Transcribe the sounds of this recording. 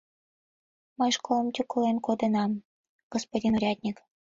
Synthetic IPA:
mɤjʃkolˠə̆mtʲuklenkod̪ɤ̆nɑm | ɡ̥ospodʲinoɾʲɑt̪ʲnʲik

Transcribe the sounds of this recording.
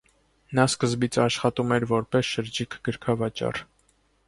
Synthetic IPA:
nɑskəzbit͡sʰɑʃχɑt̪umɛɾvɔɾpɛsʃəɾd͡ʒikʰɡəɾkʰɑvɑt͡ʃɑ̰r

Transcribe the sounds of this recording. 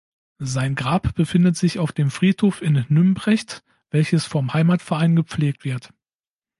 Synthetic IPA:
zaɪnɡʁaːpb̥əfɪndətz̥ɪçaʊfd̥eːmfʁ̥iːthoːfɪnːʏmbʁɛçt | v̥ɛlçəsfɔmhaɪmaːtfɛɐʔaɪnɡəp͡fleːk̚tv̥ɪɐt

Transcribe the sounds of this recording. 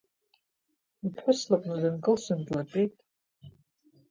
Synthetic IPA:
ipʰħʷʊslakʼnadɨnkʼɨlsʷandlaʈ͡ʂʼejtʼ

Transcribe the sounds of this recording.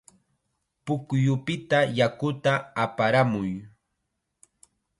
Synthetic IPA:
pʊkjʊpɪt̪ajakʊt̪aapaɾamʊj

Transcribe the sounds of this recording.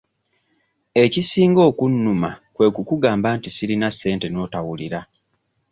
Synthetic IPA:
e̞cisiːŋɡo̞ːkunːumakwe̞ːkukuɡaːmbaːntisilinasːe̞ːnte̞no̞ːtawuliɾa

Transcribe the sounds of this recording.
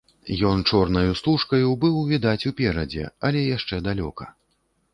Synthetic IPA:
jɔnt͡ʂɔrnɐjust̪uʂkɐjubɨwvʲid̪at͡sʲupʲɛɾɐd͡zʲɛ̰ɐlʲɛjaʂt͡ʂɛd̪alʲɔ̰kɐ

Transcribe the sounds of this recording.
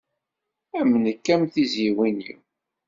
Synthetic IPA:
æmːənəkːæmθizjiwinḭ

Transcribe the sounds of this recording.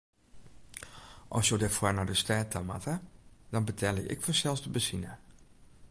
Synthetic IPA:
ʔɔsjodɪfwɔnɔdəstɛːtama̰tʰədɔnbətʰɛlˠjə̰ʔɪ̰kfɔsɛlˠsdəbəsinə

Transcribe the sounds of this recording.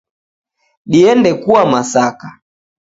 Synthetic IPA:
ɗiɛndɛkuwamasaka

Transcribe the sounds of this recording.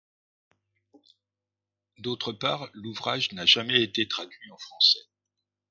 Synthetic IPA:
d̪ot̪χəpaːʁluvʁaʒnaʒamɛet̪et̪χad̪ɥiɑ̃fχɑ̃sɛ

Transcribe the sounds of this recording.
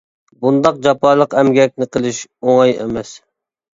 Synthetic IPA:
bund̪ɑq̚d͡ʒɑpɑːlˠəqɛmɡʲɛk̚ʲnɪqʰəlˠɨʃoŋɑjḛmɛs

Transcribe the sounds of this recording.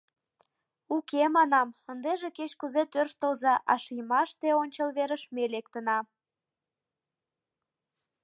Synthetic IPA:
ukemɑnɑmənd̪eʒeket͡ɕkuzet̪ørʃt̪əlzɑʔɑʃijmɑʃt̪eonʲt͡ɕəlβeɾəʃmelekt̪ənɑ

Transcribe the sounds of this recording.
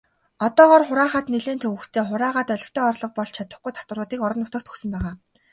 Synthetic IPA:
ɔt̪ɔːʁɔːrχʊɾaːχaːt̪neɮeːnt̪ʰɵwɵxt̪ʰeːχʊɾaːʁaːt̪œɮʲɞ̆kt̪ʰɔːɔrɮɞ̆q̚pɔɮt͡ɕʰat̪ə̥̆χɡujt̪ʰḁt̪wə̆rʊːt̪iːkɔɾɞ̆nʊt̪ə̆kt̪ʰxɵ̥xsɵ̆mpæːʁaː

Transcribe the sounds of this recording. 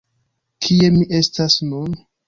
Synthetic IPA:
kʰie̞miʔe̞stasnun

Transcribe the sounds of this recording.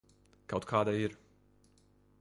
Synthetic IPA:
kawt̪kʰaːd̪aiɾ

